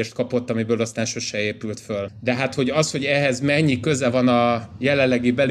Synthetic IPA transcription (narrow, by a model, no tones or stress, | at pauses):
eːʃt̪̚kɒpot̪ːɒmibøːlɒst̪aːnʃo̞ʃɛeːpylt̪fø̞ld̪ɛɦat̪ho̞ɟɒsho̞ɟɛɦɛzmɛɲːikø̞zɛvɒnɒjɛlɛlːɛɡibɛl